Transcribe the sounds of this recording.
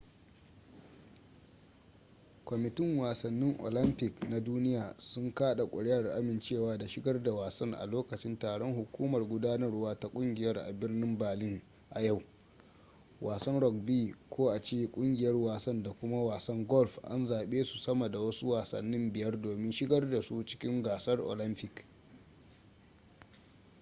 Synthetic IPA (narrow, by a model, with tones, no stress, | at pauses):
kʷɔ˨mɪ˨tɪ˦ŋwaː˨sɐ˨nːɪ˦ŋʔo̰˨lɐ˦mpɪ˨kna˨duː˦nɪ˦jaː˨sʊ˦ŋkaː˦ɗa˨kʷʼʊ̰˨ɽɛ˦jɐ˨rʔa̰˦mɪ˨nt͡ʃeː˦˨waː˦da˨ʃɪ˦ɡɐ˦rda˨waː˨sɐ˦ŋʔa̰˨loː˦kɐ˨t͡ʃɪ˦ntaː˨ɽɔ˦ŋɦʊ˨kʷuː˦mɐ˨rɡʷʊ˦daː˦nɐ˦rwaː˦ta˦kʷʼʊ˦ŋɡʲɪ˨jɐ˦rʔa̰˨bɪ˦rnɪ˦mbaː˨lɪ˦ŋ | ʔa̰˨ja˦˨w | wʔaː˨sɐ˦nɽɔ˨k̚biː˦˨kʷʰoː˦ʔa˨t͡ʃeː˦˨kʷʼʊ˦ŋɡʲɪ˨jɐ˦rwaː˨sɐ˦nda˨kʷʊ˦ma˦waː˨sɐ˦ŋɡɔ˦lɸʔa̰˦nzaː˨ɓeː˦su̥˨sɐ˦ma˨da˨wɐ˦su˦waː˨sɐ̰˨nːɪ˦mbɪ˨jɐ˦rdoː˨mɪ˦nʃɪ˦ɡɐ˦rda˨su˦t͡ʃɪ̥˦kʲɪ˦ŋɡaː˨sɐ˦rʔo̰ː˨lɪ˦mpɪ˨k